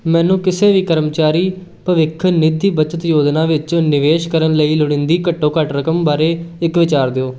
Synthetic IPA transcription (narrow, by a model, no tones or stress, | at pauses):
mɛ̃ːnũːkɪseːʋiːkəɾəmt͡ʃaːɾiː | pəʋɪkʰːnɪd̪iːbət͡ʃət̪joːd͡ʒ̪nãːʋɪt͡ʃõːnɪʋeːʃkəɾənləiːlʊɽ̃ɪ̃nd̪iːkəʈːõːkəʈɾəkəmbaːɾeːɪkʋɪt͡ʃaːɾd̪eːoː